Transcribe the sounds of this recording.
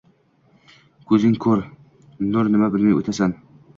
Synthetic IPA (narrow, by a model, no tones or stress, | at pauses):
kʰɵzɪŋkʰɵɾ | noɾnɪmabɪlmajo̰t̪ʰasan